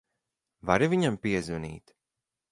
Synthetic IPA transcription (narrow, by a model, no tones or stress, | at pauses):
vaɾivʲiɲampiɛzvunḭːt̪